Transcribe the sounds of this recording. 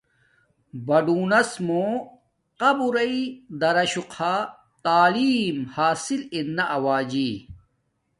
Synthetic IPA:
bɐɖuːnɐsmoː | qɐbuɾɐid̪ɐɾɐɕuqʰaː | t̪aːliːmhaːsilinːɐʔɐwaːd͡ʑiː

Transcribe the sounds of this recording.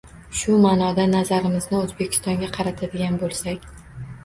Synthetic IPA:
ʃʊmaːnɒd̪anazaɾɪmɪznɪozbekʲʰɪ̥st̪ɒŋɡʲaqʰɑɾat̪ʰad̪ɪɡʲanbolˠsakʲ

